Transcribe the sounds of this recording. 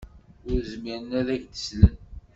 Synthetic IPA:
ʊɾzmiɾənæðæʝd̪ə̥slən

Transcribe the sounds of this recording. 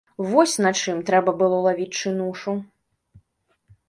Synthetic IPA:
vɔsʲnat͡ʂɨmt̪ɾɛbɐbɨlˠɔlˠavʲit͡sʲt͡ʂɨnuʂu

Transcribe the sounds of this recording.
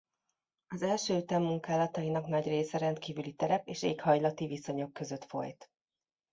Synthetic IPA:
ɒzɛlʃøːt̪ɛmːuŋkaːlɒt̪ɒjinɒkn̪ɒɟreːsɛɾɛnt̪kiːvylit̪ɛɾɛpeːʃeːkhɒjlɒt̪iviso̞ɲo̞kːø̞zø̞t̪fo̞̰jt̪

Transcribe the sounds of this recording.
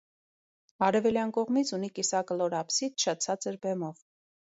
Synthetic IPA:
ɑɾɛvɛljɑnkɔʁmit͡sʰunikisɑkəlɔɾɑpsit̪ʰʃʰɑt͡sʰɑt͡səɾbɛmɔv

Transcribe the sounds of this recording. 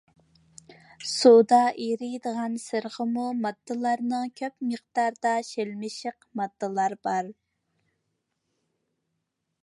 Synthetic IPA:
sud̪ɑʔiɾɪjd̪əʁɑnsəɾʁəmumɑd̪ːɨlˠɑɾnɨŋkʲʰøpməχd̪ɑɾd̪ɑʃelmɪʃɪqmɑd̪ːəlˠɑɾbɑɾ

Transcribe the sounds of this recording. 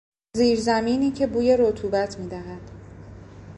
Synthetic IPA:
ziːɾzæmiːniːcʰe̞buːje̞ɾo̞t̪ʰuːbæt̪ʰmiːd̪æɦæd̪̥

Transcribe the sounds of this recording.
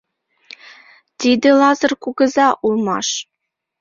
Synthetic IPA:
t̪id̪ɘ̆lˠɑzɤ̆rkuɡɤ̆zɑʔulˠmɑ̰ʂ

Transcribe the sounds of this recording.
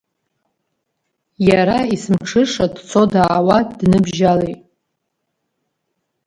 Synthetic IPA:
jaɾaisɨmʈ͡ʂʰɨʂadt͡sʰo̞daːwadnɨbʒalejʼ

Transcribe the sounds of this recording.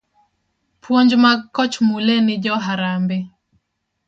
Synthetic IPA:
pʰwoɲd͡ʒmakːɔt͡ʃmulɛnɪd͡ʒɔɦaɾambɪ

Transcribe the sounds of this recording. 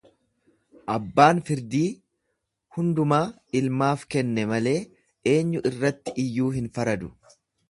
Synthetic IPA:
ʔɐbːaːnfɪɾd̪iː | hʊnd̪ʊmaː | ɪlmaːfkɛnːɛmɐle̞ː | ʔe̞ːɲːʊʔɪrːɐt̪ːɪʔɪjːuːɦɪnfɐɾɐd̪ʊ̥

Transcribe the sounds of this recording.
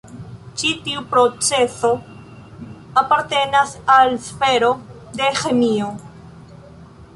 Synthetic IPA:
t͡ʃitiupɾo̞t͡se̞so̞ | apaɾte̞nasalsfe̞ɾo̞ | de̞xe̞mio̞

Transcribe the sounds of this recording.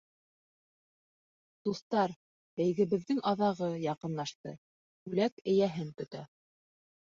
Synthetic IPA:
d̪̥uθt̪ɑɾ | æ̆jɡɘ̆βɘ̆ðɘŋʔɑðɑʁɤjɑqɤ̆nlˠɑʃt̪ɤ̰ | bʉlækɘ̆jæɦɘŋt̪ɵ̆t̪æ̰

